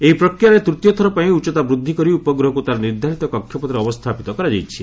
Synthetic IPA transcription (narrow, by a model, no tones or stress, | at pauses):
eipɾɔkɾjaɾet̪ɾut̪jɔt̪ʰɔɾɔpaĩut͡ʃɔt̪abɾud̪ʱːikɔɾiupɔɡɾɔɦɔkut̪aɾɔniɾd̪ʱaɾit̪ɔkɔkʰjɔpɔt̪ɾeɔbɔst̪ʰapit̪ɔkɔɾad͡ʒajt͡ʃʰi